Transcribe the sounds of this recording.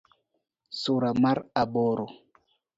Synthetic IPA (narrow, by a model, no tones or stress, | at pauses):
suɾamaɾaɓɔɾɔ